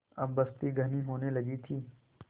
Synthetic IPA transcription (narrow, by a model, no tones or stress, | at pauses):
ɐbːɐst̪iɡʱɐniɦoːnelɐɡit̪ʰiː